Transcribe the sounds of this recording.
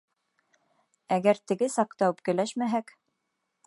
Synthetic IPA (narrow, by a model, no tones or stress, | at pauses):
æɡæɾt̪ɘ̆ɡɘsɑqt̪ɑwɘp̚kɘ̆læʃmæɦæk